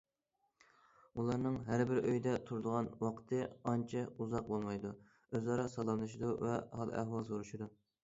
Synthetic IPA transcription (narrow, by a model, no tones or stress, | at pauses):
ulˠɑɾnɨŋɦæɾbɪɾøjd̪ɛt̪ʰuɾd̪əʁɑnwɑqʰt̪ʰɨɑnt͡ʃʰɛuzɑq̚bolˠmɑjd̪u | øzɑɾɑsɑlˠɑmlˠɨʃid̪uvɛɑ̰lˠæ̰hwɑlˠsoɾuʃid̪u